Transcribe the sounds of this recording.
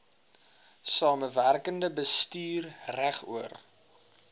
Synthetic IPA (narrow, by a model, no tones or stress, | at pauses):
sɑːməværkəndəbəstyːrræχṵər